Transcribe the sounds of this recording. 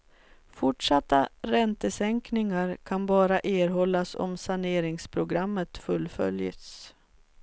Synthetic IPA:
fʊʈʂat̪ːaɾɛnt̪əsɛŋknɪŋaɾkʰanbɑːɾaʔeːɾɦɔlːasɔ̰msaɳeːɾɪŋspʰɾʊɡɾamːət̪fɵlːfœ̰ljə̰t̪s

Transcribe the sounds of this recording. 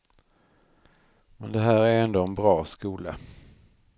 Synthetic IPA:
mɛnd̪ɛɦæːɾæɾɛnd̪oːɛnbɾɑːskuːlə

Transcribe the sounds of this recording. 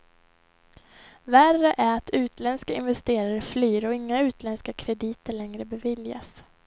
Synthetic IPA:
værəʔæɾat̪ʰʉ̟ːt̪lɛnskaɪ̰nvɛst̪eːɾaɾəflyːɾɔɪŋːaʉ̟ːt̪lɛnskakʰɾɛd̪iːt̪əɭɛŋɾəbɛvɪlja̰s

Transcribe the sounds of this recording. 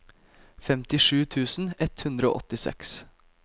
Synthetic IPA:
fɛmt̪ɪʂʉːt̪ʰʉːsn̩ɛt̪hʉnd̪ɾəo̰ːʔɔ̰t̪ɪsɛ̰ks

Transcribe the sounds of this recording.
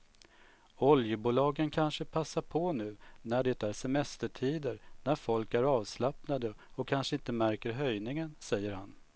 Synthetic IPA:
ɔljəbuːlɑːɡənkʰanʂəpʰasːaɾpʰɔnʉ̟ːnæɖɛt̪æɾsɛmɛst̪əʈʰiːd̪əɾnæɾfɔlkæɾɑːvslapnad̪ə | ɔkʰːanʂəɪnt̪əmæɾkəɾɦœjnɪŋənsɛjːəɾhan

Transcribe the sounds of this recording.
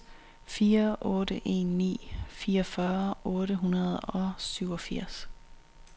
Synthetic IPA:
fiːɐʔɔ̽ːɾəʔe̝̰ːnːḭːfiːɒfɶːɐʔɔ̽ːɾəɦunɐð̩ˠɒ̽syʊ̰ɒ̽fiɐ̰s

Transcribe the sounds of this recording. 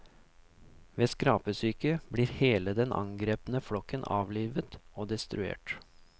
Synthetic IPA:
ʋeːskɾɑːpəsyːkəbɽiːɾheːləd̪ɛnʔɑ̰ŋɡɾeːpənəflɔkːənʔɑ̰ːʋliːʋət̪oːd̪ɛst̪ɾʉ̰ḛːʈ

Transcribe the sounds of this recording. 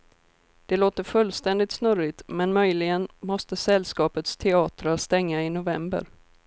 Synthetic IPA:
d̪̥ɛloːt̪əɾfɵlːst̪ɛnd̪ɪt̪snɵɾɪt̪mɛnmœjlɪɡənmɔst̪əsɛlːskɑːpət̪st̪ʰɛɑːt̪ɾast̪ɛŋːaɪnʊvɛmbə̰ɾ

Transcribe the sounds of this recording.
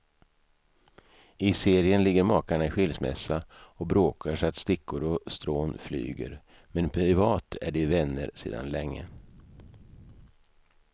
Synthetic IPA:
ɪseːɾɪənlɪɡːəɾmɑːkaɳaɪɧɪlsmɛ̰sːaɔkbɾoːkʰaʂat̪st̪ɪkʰːʊɾɔst̪ɾoːnfly̰ːɡə̰ɾ | mɛnpʰɾɪvɑːt̪ʰæ̰ɖɛvɛnːə̰ɾsḛːd̪a̰nlɛŋːə̰

